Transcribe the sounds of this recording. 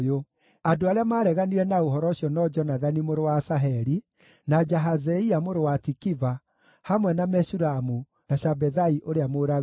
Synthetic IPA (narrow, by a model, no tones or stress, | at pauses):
jo | adoaɾeamaːɾɛɣaniɾɛnaoɦɔɾɔɕjɔnɔd͡ʒɔnaðanimoɾowasaɦɛɾi | nad͡ʒaɦazɛiamoɾowatikiva | hamwɛnamɛʃuɾamu | naɕabɛðaiʔoɾeamoɾa